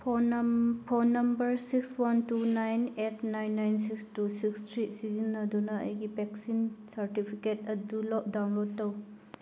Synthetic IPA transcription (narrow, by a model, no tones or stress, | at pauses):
pʰopʰonːɐmbɐɾsikswɐntunajnetʰnajnːajnsikstusikstʰɾisizinːɐdunɐɐ̰jɡipeksinsɐɾtipʰiketɐdulɔk̚dawnlod̚tɐw